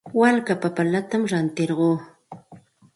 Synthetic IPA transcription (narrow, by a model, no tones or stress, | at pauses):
walkapapalat̪amɾant̪eɾɢoː